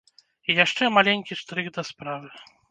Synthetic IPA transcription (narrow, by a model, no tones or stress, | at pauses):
ijaʂt͡ʂɛmalʲenʲkʲiʂt̪ɾɨɡd̪ɐspɾavɨ